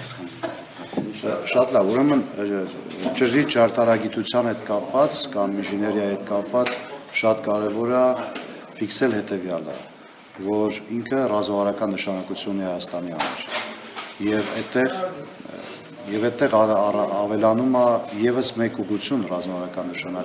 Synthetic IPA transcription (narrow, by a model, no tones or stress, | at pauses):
ʃɑt̪lɑvuɾɛmən | t͡ʃəɾit͡ʃɑɾt̪ɑɾɑɡit̪ut͡sʰjɑnhɛt̪kɑpvɑt͡sʰkɑminʒinɛɾiɑhɛt̪̚kɑpvɑt͡sʃɑt̪kɑɾɛvɔɾɑ | fiksɛlhɛt̪ɛvjɑlə̰ | vɔɾiŋkʰərɑzmɑvɑɾɑkɑnːəʃɑnɑkut͡sʰjunːɛhɑjɑst̪ɑnihɑ̰mɑ̰ɾ | jɛvɛt̪ːɛʁ | jɛvɛt̪t̪ːɛʁː | vɛlɑnumɑjɛvəsmɛkuʁut͡sʰjunrɑzmɑvɑɾɑkɑnːəʃɑnɑ